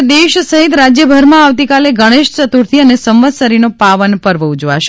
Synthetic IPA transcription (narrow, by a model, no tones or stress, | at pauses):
d̪eʃsəɦit̪ɾad͡ʒjəbʱəɾmãaʋt̪ikaleɡəɽ̃eʃt͡ʃət̪uɾt̪ʰiənesəmʋəd̪səɾinopaʋənpəɾʋəud͡ʒʋa̰ʃe